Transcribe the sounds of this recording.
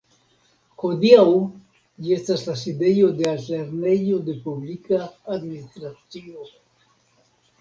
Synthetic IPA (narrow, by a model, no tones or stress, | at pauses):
ho̞d̪iaw | d͡ʒie̞staslasid̪e̞jo̞d̪e̞alteɾne̞jod̪e̞publikaːd̪minist̪ɾat͡st͡sio